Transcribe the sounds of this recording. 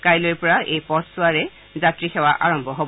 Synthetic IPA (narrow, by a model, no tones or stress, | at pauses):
kajlojpɔɹaʔejpɔɹsuwaɹɛ | zatɹixɛwaʔa̰ɹɔmbʱɔɦob